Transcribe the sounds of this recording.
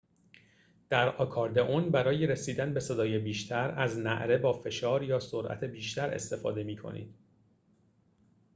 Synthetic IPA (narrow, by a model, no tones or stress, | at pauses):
d̪̥æɾɒkʰɒːɾd̪eʔonbæɾɒːjeɾesiːd̪ænbe̞se̞d̪ɒːjebiːʃt̪ʰæɾæznæ̰ʔɾe̞bɒːfe̞ʃɒːɾjɒːsoɾʔæ̰t̪ʰebiːʃt̪ʰæɾe̞̰st̪e̞fɒ̰ːd̪e̞miːkʰo̞̰nḭːd̪̥